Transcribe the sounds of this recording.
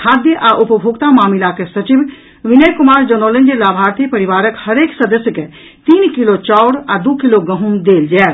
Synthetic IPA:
kʰaːd̪jəʔaʔupəbʱoɡt̪amaːmilakesət͡ʃib | ʋinəjkumaːɾd͡ʒonolənd͡ʒelaːbʱaːɾt̪ʰipəɾiʋaːɾəkhəɾeːksəd̪əsjəke | t̪iːnkilot͡ʃaʊɽad̪ukiloɡə̃ɦund̪eːld͡ʒɛː

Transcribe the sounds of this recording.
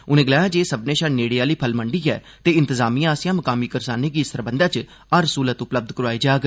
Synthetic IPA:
ʊnẽːɡəlaːjãːd͡ʒeːsəbnẽːʃaneːɽiːaːliːpʰəlməɳɖiːɛ̰ː | t̪eːɪ̃nt̪əzaːmiːãːsɪjãːməkaːmiːkəɾsaːneːɡiːsəɾbənd̪aːt͡ʃ | aɾəsuːlət̪ʊpləb̚d̪kəɾaːiːd͡ʒaːɡ

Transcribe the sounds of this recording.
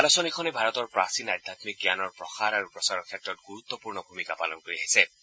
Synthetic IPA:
alɔsɔnekʰɔnɛbʱaɹɔtɔɹpɹasinajd̪ʱːat̪mik̚ɡjanɔɹpɹɔxaɾaɹupɹɔsaɹɔɹkʰɛtɹɔtɡuɹut̪ːɔpuɹnɔbʱumikapa̰lɔnkoɹiɦajsɛ

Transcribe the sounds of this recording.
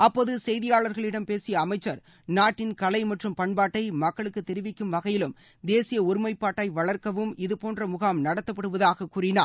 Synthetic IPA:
ɐpːoːðɯsɛjðɪjaːɭɐɾɣɐɭɪɽɐmpeːsɪjɐːmɐɪt͡ʃːɐɾ | naːʈːɪnkɐlɐɪmɐʈrɯmpɐɳbaːʈːɐɪmɐkːɐɭɯkːɯt̪ːɛɾɪʋɪkːɯmʋɐɣɐjɪlɯm | d̪eːsɪjɐʊɾɪmɐɪpːaːʈːɐɪʋɐɭɐɾkɐʋɯmɪðɯpoːndrɐmʊɣaːmnɐɽɐt̪ːɐpːɐɽɯʋɐðaːɣɐkuːrɪnaː

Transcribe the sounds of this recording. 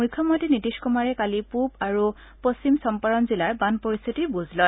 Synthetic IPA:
mʊjkʰːjɔmɔtinitiskumaɹɛkalipubaɹu | post͡ɕimsɔmpaɹɔnzilaɹbanpɔɹist̪ʰitibuzlɔj

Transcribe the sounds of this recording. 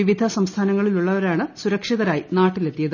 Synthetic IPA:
iʋid̪ʱɐsɐmst̪ʰaːnɐŋːɐɭiluɭːɐʋɐɾaːɳɨsuɾɐkʂiðɐɾaːjinaːʈːilet̪ːijɐðɨ

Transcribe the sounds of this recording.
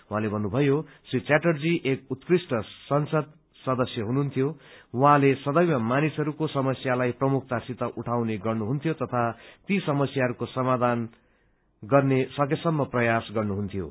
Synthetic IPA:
w̃ɦãlebʱʌnːubʱʌjosrit͡saʈʌrd͡ziʔekut̪krisʈʌsʌnsʌd̪ | sʌd̪ʌsjʌɦununt̪ʰjowɦãlesʌd̪ʌjmʌmanisʌɾukosʌmʌsjalajprʌmuk̚ʰt̪asit̪ʌʔuʈʰawneɡʌrnuɦunt̪ʰjot̪ʌt̪ʰat̪isʌmʌsjaɦʌɾukosʌmad̪ʱan | ɡʌrnesʌkesʌmːʌprʌjasɡʌrnuɦunt̪ʰjo̰

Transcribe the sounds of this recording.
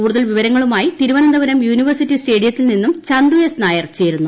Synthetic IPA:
uːɽuðɐlʋiʋɐɾɐŋːɐɭumaːjit̪iɾuʋɐnɐnd̪ɐʋɐɾɐmjuːniʋɐrsitːiste̞ːɖijɐt̪ːilninːumt͡ɕɐnd̪ujesnaːjɐrt͡ɕeːɾunːu

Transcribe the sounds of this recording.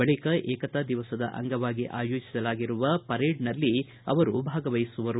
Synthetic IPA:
ɐɭikɐʔɛːkɐt̪ɐd̪iʋɐsɐd̪ɐ̰ʔɐ̰ŋɡɐʋaːɡiʔa̰ːjoːd͡ʒi̥sɐlaːɡiɾuʋɐpɐɾeːɖnɐlːi | ɐ̰ʋɐɾubʱaːɡɐʋɐjsuʋɐɾu

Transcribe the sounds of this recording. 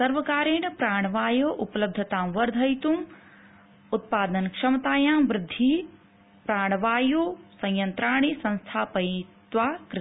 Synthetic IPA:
sɐɾʋɐkaːɾeːɳɐpɾaːɳ̃ɐʋaːjoːʔupɐlɐb̚d̪ʱɐt̪aːmʋɐɾd̪ʱɐjt̪um | ut̪̚paːd̪ɐnkʂɐmɐt̪aːjaːmʋɾɪd̪ʱːi | pɾaːɳ̃ɐʋaːjoːsɐ̃j̃jɐnt̪ɾaːɳ̃isɐ̃nst̪ʰaːpɐjt̪ʋaːkɾ

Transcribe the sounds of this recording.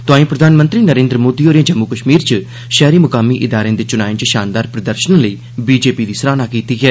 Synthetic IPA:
t̪ʊaːĩːpɾəd̪ʱaːnmə̃nt̪ɾiːnəɾẽːnd̪ɾəmoːd̪iːoːɾjãːd͡ʒəmːukəʃmiːɾt͡ʃə | ʃɛːɾiːmʊkaːmiʔɪd̪aːɾẽːd̪eːt͡ʃʊnaːĩt͡ʃəʃaːnd̪aːɾpɾəd̪əɾʃənləiː | biːd͡ʒeːpiːd̪iːsəɾaːnaːkiːt̪iːɦɛː

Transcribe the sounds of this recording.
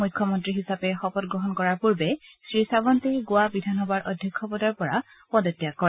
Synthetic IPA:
mujkʰːɔmɔntɹiɦisapɛxɔpɔtɡɹɔɦɔnkɔɹaɹpuɹbɛsɹisabɔntɛɡʊwabidʱanɔbaɹʔɔdʱjɔkʰːɔpɔdaɹpɔɹa | pɔdɔtːijakɔɹɛ

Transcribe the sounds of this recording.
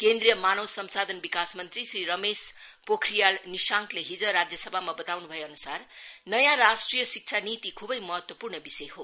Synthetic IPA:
kend̪rijʌmanʌwsʌmsad̪ʱʌnbikasmʌnt̪risriɾʌmes | pokʰrijalnisãŋkleɦid͡zʌɾad͡zjʌsʌbʱamabʌt̪awnubʱʌeʌnusarnʌjãɾasʈrijʌsik̚t͡sʰanit̪ikʰubʌjmʌɦʌt̪wʌpurnʌbisʌjɦo

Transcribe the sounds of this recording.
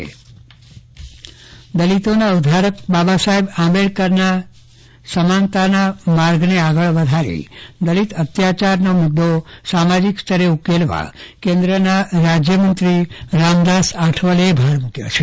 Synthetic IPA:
d̪əlit̪onaud̪ʱaɾək̚babasaɦebãmeɭkəɾna | səmant̪anamaɾɡneaɡəɭʋəd̪ʱaɾḭd̪əlit̪ət̪jat͡ʃaɾnomʊd̪ːosamad͡ʒikst̪ʰəɾeukelʋa̰kẽnd̪ɾənaɾad͡ʒjəmənt̪ɾiɾamd̪asaʈʰʋəlebʱaɾmũkjo̰t͡ʃʰe

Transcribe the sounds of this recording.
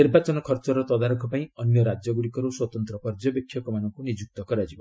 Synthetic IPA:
niɾbat͡ʃɔnɔkʰɔɾt͡ʃɔɾɔt̪ɔd̪aɾɔkʰɔpaĩɔnjɔɾad͡ʒjɔɡuɽikɔɾuswɔt̪ɔnt̪ɾɔpɔɾd͡ʒɔbjɔkʰːjɔkɔmanɔŋkunid͡ʒuk̚t̪ɔkɔɾad͡ʒibɔ

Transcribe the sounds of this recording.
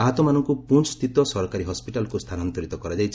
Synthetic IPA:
aɦɔt̪ɔmanɔŋkupunt͡ʃt̪it̪ɔsɔɾɔkaɾiɦɔspiʈalɔkust̪ʰanɔnt̪ɔɾit̪ɔkɔɾad͡ʒajt͡ʃʰi

